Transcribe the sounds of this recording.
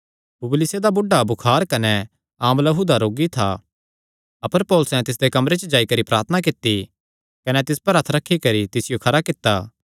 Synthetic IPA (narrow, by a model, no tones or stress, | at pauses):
pʊblɪsed̪abʊɖːabʊkʰaːɾkɐnɛ | aːmlɐɦud̪aɾoːɡit̪ʰa̰ | ɐpəɾpɔːlʊsɛ̃t̪ɪs̬d̪ekɐmɾet͡ʃd͡ʒaːikɐɾipɾaːɾt̪ʰənak̬ɪt̪ːi | kɐnɛt̪ɪspɐɾɐt̪ʰɾɐkʰːikɐɾit̪ɪsɪjokʰɐɾakɪt̪ːaː